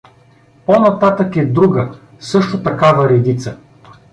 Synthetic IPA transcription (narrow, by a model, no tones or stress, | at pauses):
ponɐt̪at̪əkɛd̪ɾuɡə | sɤʃt̪ʊt̪ɐkavɐɾɛd̪it̪sə